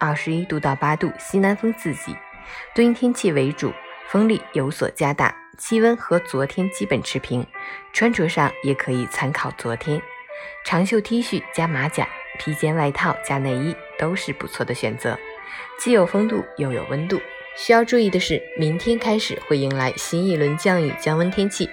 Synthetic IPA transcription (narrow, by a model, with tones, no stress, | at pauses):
ɐ˥˩ʂɻ̩˧˥i˥t̪u˥˧t̪ɑ˥˩ʊpa˥t̪u˥˩ɕi˥na˧˥nfɤ˥ŋt͡sɹ̩˥˩t͡ɕḭ˨˩˦ | t̪we˥ŋt̪ʰjɛ˥nt͡ɕʰi˥˩we˧˥ɪʈ͡ʂṵ˨˩˦fɤ˥ŋli˥˩jo˧˥ʊswɔ̰˨˩t͡ɕja˥t̪a̰˥˩ | t͡ɕʰi˥wə˥nxɤ˧˥t͡swɔ˧˥t̪ʰjɛ˥nt͡ɕi˥pə˨˩nʈ͡ʂʰɻ̩˧˥pʰi˧˥ŋʈ͡ʂʰwa˥nʈ͡ʂʰɤ˧˥ʂɑ˥˩ŋjɛ˨˩kʰɤ˧˥i˨˩t͡sʰa˥nkʰɑ˨˩ʊt͡swɔ˧˥t̪ʰjɛ˥nʈ͡ʂʰɑ˧˥ŋɕjo˥˧ʊt̪ʰi˥ɕy˥˩t͡ɕja˥ma˧˥t͡ɕja̰˨˩˦ | t̪ʰi˧˥t͡ɕjɛ˥nwa˥˧ɪt̪ʰɑ˥˩ʊt͡ɕja˥ne˥˧ɪi˥˩t̪o˥ʊʂɻ̩˥˩pṵ˨˧˩t͡sʰwɔ˥˩d̪ə˩ɕɥɛ̰˨˩nt͡sɤ̰˧˥ | t͡ɕi˥˩jo˨˩ʊfɤ˥ŋt̪u˥˩jo˧˥˩ʊjo˨˩ʊwə˥nt̪u˥˩ | ɕy˥jɑ˥˧ʊʈ͡ʂu˥˧i˥˩d̪ə˩ʂɻ̩˥˩mi˧˥ŋt̪ʰjɛ˥nkʰa˥ɪʂɻ̩˨˩xwe˥˩ɪi˧˥ŋla˧˥ɪɕi˥ni˥˩lwə˧˥nt͡ɕjɑ˥˧ŋy̰˥˩t͡ɕjɑ˥ŋwə˥nt̪ʰjɛ˥nt͡ɕʰi˥˩